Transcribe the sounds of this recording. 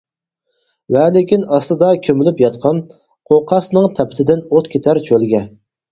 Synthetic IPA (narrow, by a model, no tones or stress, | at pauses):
wɛlɪkʲinɑst̪ˠɨd̪ɑkʲʰømɪlypjɑt̪qʰɑn | qʰoqʰɑsnɨŋt̪ʰɛpʰɪ̥t̪ʰɪd̪ɪnot̪kʲʰet̪ʰæɾt͡ʃʰølɡʲɛ